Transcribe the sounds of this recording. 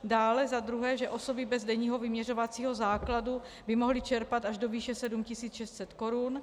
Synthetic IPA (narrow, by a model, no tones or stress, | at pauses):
daːlɛzad̪ɾuɦɛːʒɛʔo̞so̞bɪbɛzdɛɲiːɦo̞vɪmɲɛr̝ovat͡siːɦo̞zaːkladu | bɪmo̞ɦlɪt͡ʃɛɾpat̪aʒdo̞viːʃɛsɛdumcɪsiːt͡sʃɛst̪sɛt̪ko̞ɾun